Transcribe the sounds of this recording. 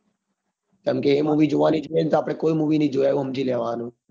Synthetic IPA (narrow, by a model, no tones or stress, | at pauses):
t̪əmkeːɦẽːmuːʋiːd͡ʒoʋaːniːd͡ʒʋẽːnt̪aəpɽeːkoːiːmuːʋiːnĩːd͡ʒoːaːjoːɦəmd͡ʒiːleːʋaːnõː